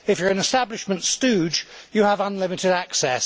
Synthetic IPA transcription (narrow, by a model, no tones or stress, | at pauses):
ɪfjə˞ɨ̃nɪstablɪʃmə̃ntstʉːd͡ʒjəːvʌ̃nlɪmɪtɪɾæksɛs